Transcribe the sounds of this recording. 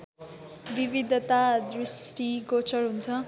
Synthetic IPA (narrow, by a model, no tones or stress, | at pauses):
bibid̪ʱʌt̪ad̪risʈiɡot͡sʌrɦunt͡sʰʌ